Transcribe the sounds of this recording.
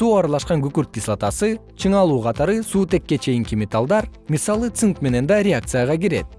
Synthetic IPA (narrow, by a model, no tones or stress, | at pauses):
suːɑɾɑlˠɑʃqɑŋɡykyɾt̪̚ːislˠat̪ɑsɯ | t͡ʃʰɯɴɑlˠuːqʰɑt̪ɑɾɯsuːt̪e̞kːe̞t͡ʃʰe̞jiŋkimʲet̪alˠd̪ɑɾmisɑlˠɯt̪sɨnk̪me̞ne̞nd̪ɑɾʲeak̚t̪sɨjaʁɑɡiɾe̞̰t̪̚